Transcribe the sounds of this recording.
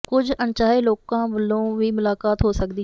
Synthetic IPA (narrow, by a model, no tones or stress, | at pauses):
kʊd͡ʒə̃nt͡ʃaːiloːkãːbəlːõːʋiːmʊlaːkaːt̪ɦoːsəkd̪iː